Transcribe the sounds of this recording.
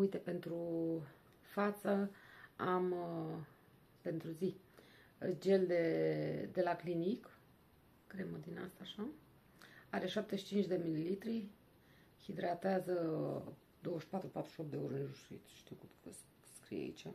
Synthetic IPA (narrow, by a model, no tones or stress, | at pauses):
ujt̪e̞pe̞nt̪ɾu | fat̪səam | pe̞nt̪ɾuzi | d͡ʒe̞ld̪e̞d̪e̞laklinik | kɾeməd̪ina̰st̪aːʃa | aɾe̞ʃap̚t̪e̞ʃi̥t͡ʃint͡ʃd̪e̞mililit̪ɾi | hid̪ɾat̪eazə | d̪o̞wəʃpat̪ɾupat̪ɾu̥ʃʲio̞p̪̚d̪eoɾɨʒusuḭt̪ʃt̪iwkuə | skɾḭjḛa̰ḭt͡ʃa